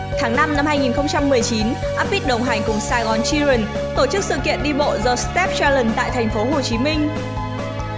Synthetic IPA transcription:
t̪ʰaː˨˦ŋna˧mna˧mhaː˧jŋi˨˩nxə˧wŋ͡mt͡ɕa˧mːɨ˨˩əjt͡ɕi˨˦n | ʔaː˦˥p̚mi˦˥t̚ɗə˨˧˩wŋ͡mɦaː˨˩ŋ̟kʊ˨˩ŋ͡msaː˧ɣɔ˨˦nt͡ɕi˧zə˨˩n | t̪o˧˩t͡ɕɨ˦˥k̚sɨ̰˧˨kḭ˧˨ənɗi˧ɓo̰˧˨zɔː˧˩st̪ɛ˦˥p̚t͡ɕa˧lə˨˩nt̪a̰ː˧˨jt̪ʰɛ˨˩jŋ̟fo˨˦ɦo˨˩t͡ɕi˨˦mï˧ŋ̟

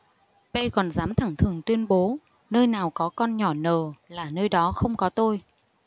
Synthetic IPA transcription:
pe˧kɔ˨˩nzaː˨˦mt̪ʰa˧˩ŋt̪ʰɨ˨˩əŋt̪wi˧ənɓo˨˦ | nəː˧jnaː˨˩wkɔ˨˦kɔ˧nɲɔ˧˩nəː˨˩laː˨˩nəː˧jɗɔ˨˦xə˧wŋ͡mkɔ˨˦t̪o˧j

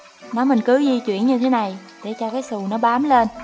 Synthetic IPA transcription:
nɔ˨˦mï˨˩ŋ̟kɨ˨˦zi˧t͡ɕwḭ˧˨ənɲɨ˧t̪ʰe˨˦na˨˩j | ɗe˧˩t͡ɕɔ˧kaː˨˦jsu˨˩nɔ˨˦ɓaː˨˦mle˧n

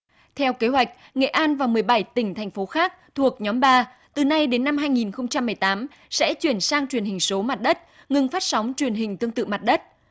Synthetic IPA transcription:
t̪ʰɛ˧wke˨˦ɦwa˨˩jk̟̚ŋḛ˧˨ʔaː˧nvaː˨˩wmɨ˨˩əjɓa˧˩jt̪ï˧˩ŋ̟t̪ʰɛ˨˩ŋ̟fo˨˦xaː˦˥k̚t̪ʰu˨˩ək̚ɲɔ˨˦mɓaː˧ | t̪ɨ˨˩na˧jɗe˨˦nːa˧mɦaː˧jŋi˨˩nxə˧wŋ͡mt͡ɕa˧mːɨ˨˩əjt̪aː˨˦m | sɛ̰˧˥t͡ɕwi˨˧˩ənsaː˧ŋt͡ɕwi˨˩ənhï˨˩ŋ̟so˨˦ma˨˩t̚ɗə˦˥t̚ | ŋɨ˧˩ŋfaː˦˥t̚sa˨˦wŋ͡mt͡ɕwi˨˩ənɦï˨˩ŋ̟t̪ɨ˧əŋt̪ɨ̰˧˨ma˨˩t̚ɗə˦˥t̚

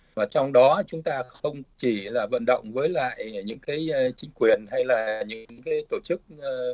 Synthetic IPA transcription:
vaː˨˩t͡ɕɔ˧wŋ͡mɗɔ˨˦t͡ɕʊ˨˦ŋ͡mt̪aː˧xə˧wŋ͡mt͡ɕi˧˩laː˨˩və̰˧˨nɗə̰˧˨wŋ͡mvəː˨˦jla̰ː˧˨jɲɨ̰˧˥ŋkaː˨˦jt͡ɕï˨˦ŋ̟kwi˨˩ənha˧jlaː˨˩ɲɨ̰˧˥ŋkaː˨˦jt̪o˧˩t͡ɕɨ˦˥k̚ː

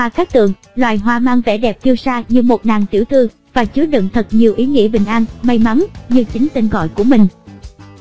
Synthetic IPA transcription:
aː˨˩kaː˦˥k̚t̪ɨ̰˨˧˨əŋ | lwaː˨jɦwaː˧maː˧ŋvɛ̰˧˩ɗɛ˨˩p̚t̪i˧əwsaː˧ɲɨ˧mo˨˩t̚naː˨˩ŋt̪i˧˩wt̪ʰɨ˧ | vaː˨˩t͡ɕɨ˨˦əɗɨ̰˧˨ŋt̪ʰə˨˩t̚ɲi˨˩əwʔi˨˦ŋḭ˧˥əɓï˨˩ŋ̟ʔaː˧nma˧jma˨˦nɲɨ˧t͡ɕi˨˦ŋ̟t̪e˧nɣɔ̰˧˨jku˧˩əmï˨˩ŋ̟

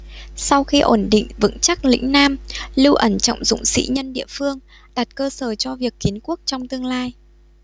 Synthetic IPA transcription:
sa˧wxi˧ʔo˧˩nɗḭ̈˧˨ŋ̟vɨ̰˧˥ŋt͡ɕa˦˥k̚lḭ̈˧˥ŋ̟naː˧mlɨ˧wʔə˧˩nt͡ɕɔ̰˧˨wŋ͡mzʊ̰˧˨ŋ͡msḭ˧˥ɲə˧nɗḭ˧˨əfɨ˧əŋ | ɗa˨˩t̚kəː˧səː˧˩t͡ɕɔ˧vi˨˩əkːi˨˦ənku˦˥ək̚t͡ɕɔ˧wŋ͡mt̪ɨ˧əŋlaː˧j

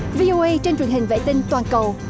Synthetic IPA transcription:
vi˧ʔo˧ʔə˧jt͡ɕe˧nt͡ɕwə˨˩ənɦï˨˩ŋ̟vḛ˧˨t̪ï˧ŋ̟t̪waː˨˩nkə˨˩w

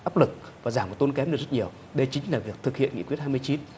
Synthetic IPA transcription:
ʔaː˦˥p̚lɨ˨˩k̚ | vaː˨˩zaː˧˩mko˨˩t̪o˧nkɛ˨˦mɗɨ˨˩k̚zt̚ɲi˨˩əw | ɗə˧jt͡ɕï˨˦ŋ̟laː˨˩vi˨˩ək̚t̪ʰɨ˨˩k̚hḭ˧ənŋḭ˧˥kwt̚haː˧jmɨ˧ə˧jt͡ɕi˨˦n

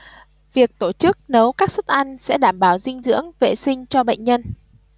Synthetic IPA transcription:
vi˨˩ək̚t̪o˧˩t͡ɕɨ˦˥k̚nə˨˦wkaː˦˥k̚sə˦˥t̚ʔa˧jŋsɛ̰˧˥ɗaː˧˩mɓaː˧˩wzï˧ŋ̟zɨ̰˧˥əŋvḛ˧˨sï˧ŋ̟t͡ɕɔ˧ɓə̰˧˨jŋ̟ɲə˧n

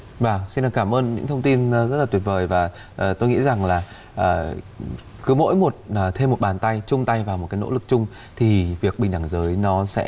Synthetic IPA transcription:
vaː˨˩si˧nɗaː˨˩kaː˧˩mʔəː˧nɲɨ̰˧˥ŋt̪ʰə˧wŋ͡mt̪i˧n˨zə˦˥laː˨˩wi˨˩vəː˨˩jvaː˨˩ | ʔːt̪o˧jŋḭ˧˥za˨˩ŋlaː˨˩ | ʔː | kɨ˨˦mo̰˧˥jmo˨˩t̚ːt̪ʰe˧mo˨˩t̚ɓaː˨˩nt̪a˧jt͡ɕʊ˧ŋ͡mt̪a˧jvaː˨˩wo˨˩t̚kaː˨˦no̰˧˥lɨ˨˩k̚t͡ɕʊ˧ŋ͡m | t̪ʰi˨˩vi˨˩ək̚ɓï˨˩ŋɗa˧˩ŋzəː˨˦jnɔ˨˦sɛ̰˧˥

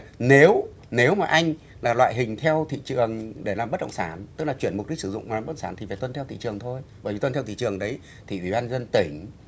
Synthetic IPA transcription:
ne˨˦w | ne˨˦wmaː˨˩ʔa˧jŋ̟ | laː˨˩lwa̰ː˧˨jɦï˨˩ŋ̟t̪ʰɛ˧wt̪ʰḭ˧˨t͡ɕɨ˨˩əŋɗe˧˩laː˨˩mɓt̚ɗə̰˧˨ŋ͡msaː˧˩˦nt̪ɨ˦˥k̚laː˨˩t͡ɕi˧˩ənm˨˩k͡p̚ɗi˦˥k̚sɨ̰˧˦zʊ̰˧˨ŋ͡mmaː˨˦˥saː˧˩nt̪i˨˩vaː˨˩t̪wə˧nt̪ʰɛ˧wt̪ʰḭ˧˨t͡ɕɨ˨˩əŋt̪ʰo˧jɓəː˧˦jvi˨˩wə˧nt̪ʰɛ˧wt̪i˧˨t͡ɕɨ˨˩əŋɗə˨˦j | t̪ʰi˨ɗwḭ˧˩˦ɓaː˧nzə˧nt̪ï˧˩˦ŋ̟

